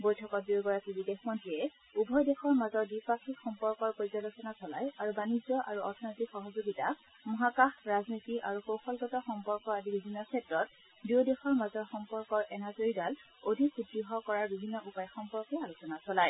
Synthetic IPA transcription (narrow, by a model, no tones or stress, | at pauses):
bojtʰɔkɔt̚dioɡɔɹakibidexmɔntɹiɛ | ubʱɔjdexɔɹmazɔdipakʰikxɔmpɔɹkɔɹpozalosɔnasɔlajaɹubanizɔʔa̰ɹuɔɹtʰɔnotikxɔɦɔzoɡita | mɔɦakaxɹaznitiaɹukowxɔlɡɔtɔxɔmpɔɹkɔadibibʱinːɔkʰɛtɹɔt̚ | diodexɔɹmazɔɹxɔmpɔɹkɔɹʔɛnazoɹidal | odʱikʰutɹiɦɔkɔɹaɹbibʱinːɔʔupajxɔmpɔɹkɛalosɔnasɔlaj